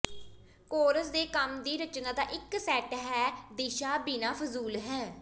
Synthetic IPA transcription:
koːɾəsd̪eːkəmd̪iːɾət͡ʃnaːd̪aːʔɪksɛːʈɦɛːd̪iːʃaːbiːnaːfʰʊzuːlɦɛː

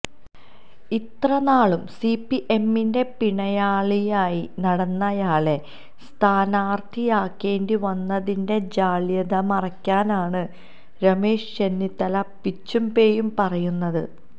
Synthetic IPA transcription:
it̪rɐnaːɭumsipːiʔe̞mːinde̞piɳɐjaːɭijaːjinɐɽɐnːɐjaːɭe̞ | st̪ʰaːnaːrt̪ʰijaːkːe̞ːndiʋɐnːɐðinde̞d͡ʑaːɭjɐðɐmɐrɐkʲːaːnaːɳɨ | ɾɐme̞ːʂt͡ɕenːit̪ːɐlɐpːit͡ɕːumbe̞ːjumpɐrɐjunːɐðɨ̰

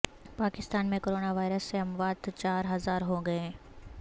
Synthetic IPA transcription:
paːkɪst̪aːnmẽkoːɾoːnaʋaːɪɾəsːeɐ̃mʋaːd̪t͡ʃaːɾɦɐzaːɾɦoɡɐẽː

